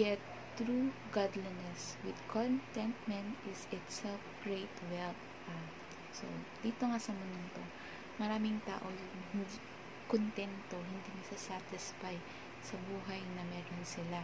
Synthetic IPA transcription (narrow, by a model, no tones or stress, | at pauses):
ɡɛt̪ː | ɹuɡad̪linɛswɪd̪̚kʰont̪t̪ɛnt̪̚mɛ̃nt̪ʔɪsɪt̪sɛlfɡ̥ɹejt̪wɛlt̚ | ʔa | so̰d̪̥iːt̪oŋasɐmonʊnt̪o | mɐɾaːmɪŋt̪a̰ːʔojʊŋhɪnd̪i | kont̪ɛnt̪o̞ɦɪnd̪iːmɐsasat̪ɪsfaj | sɐbuːɦɐjnɐmɛːɾonsɪla